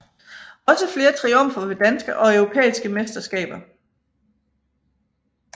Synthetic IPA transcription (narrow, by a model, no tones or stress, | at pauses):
ɒ̽səfle̝ːɐt͡sʰʁiɔ̽m̰fɐʋe̝d̥ænsɡ̥əʔɒ̽œʊʁo̝pʰḛːisɡ̥əmesd̥ɐsɡ̥ɛ̰ːb̥ɐ